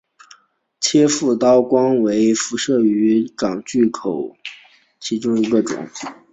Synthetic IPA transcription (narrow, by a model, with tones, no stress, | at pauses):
t͡ɕʰjɛ˥fu˥˩t̪ɑ˥ʊkwɑ˥ŋwe˧˥ɪfu˧˥ʂɤ˥˩y˧˥kɑ˨˩ŋt͡ɕy˥˩kʰo˨˩˦ʊ | t͡ɕʰi˧˥ʈ͡ʂʊ˥ŋi˧˥ɡə˧ʈ͡ʂʊ̰˨˩˦ŋ